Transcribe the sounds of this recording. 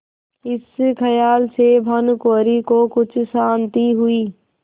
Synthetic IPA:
ɪskʰəjaːlsebʱənkoːɾikokʊt͡ʃʰsaːnt̪iɦʊiː

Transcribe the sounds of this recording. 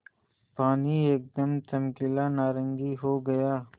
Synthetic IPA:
paːnieːk̚d̪ɐmt̪ɐmkɪlanaːɾə̃ŋɡiɦoːɡɐjaː

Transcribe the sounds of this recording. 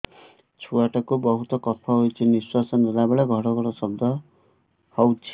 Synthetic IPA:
t͡sʰuwaʈʌkobʌɦut̪ʌkʌpʰːʌɦojt͡sʰiniswasʌnelabeɽaɡʱʌɾʌɡʌɾʌsʌb̚d̪ʱʌ | hʌwt͡sʰ

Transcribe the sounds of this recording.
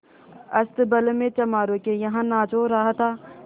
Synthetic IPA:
ɐst̪bɐlmẽt͡ʃɐmaːɾõkejɐɦãnãːt͡ʃoɾɐɦat̪ʰaː

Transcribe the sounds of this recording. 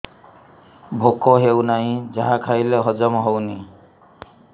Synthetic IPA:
bʱokɔɦewnaɦĩd͡ʒaɦakʰajleɦɔd͡ʒɔmɦɔwni

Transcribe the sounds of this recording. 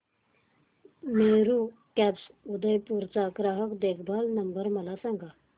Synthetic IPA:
meɾu | kɛpsud̪əjpuɾt͡saɡɾaɦəkd̪ekʰbʱalnəmbəɾməlasãŋɡʱa

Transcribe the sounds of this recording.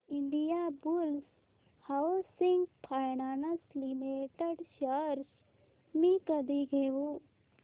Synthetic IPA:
iɳɖijabuls | hawsiŋɡpʰajnaːnɐslimeʈəɖʃəɾs | mikɐd̪iɡʱeʋu

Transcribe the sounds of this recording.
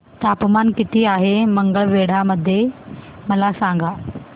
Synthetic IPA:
t̪apmankit̪iːaɦeməŋɡəɭʋeɽ̤aməd̪ʱːje | məlasaŋɡa

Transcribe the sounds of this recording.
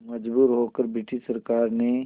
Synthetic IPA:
mɐd͡ʒbuːɾɦokəɾbɪʈiʃsɐɾkaːɾne

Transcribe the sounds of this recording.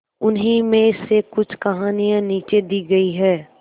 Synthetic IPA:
ʊnɦĩmẽɪsekʊt͡ʃʰkɐɦaːnijãniːt͡ʃed̪iːɡɐiɦɛː

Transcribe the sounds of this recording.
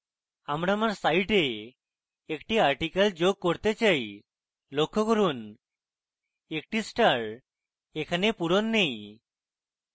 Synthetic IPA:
amɽamaɾsajʈeː | kʈiaɾʈikald͡ʒoɡ̚koɾt̪et͡ʃaj | lokʰːɔkɔɾun | ek̚ʈisʈaɾ | ekʰanepuɾonːej

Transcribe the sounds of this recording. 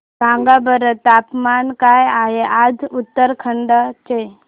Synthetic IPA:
kãːŋɡabəɾət̪aːpmaːnkaːjaːjeʔad̪ʱut̪ːəɾkʰəɳɖat͡ʃe

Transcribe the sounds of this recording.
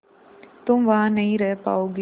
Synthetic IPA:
t̪ʊmʋɐɦãnɐɦĩɾɛɦpa̰ːoːɡ

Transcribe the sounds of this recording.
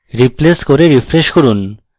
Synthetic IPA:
ɾipleskoɾeɾifɾeʃkoɾun

